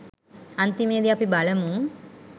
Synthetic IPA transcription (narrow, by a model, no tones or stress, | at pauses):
ɐnt̪imeːd̪iɐpibɐlɐmu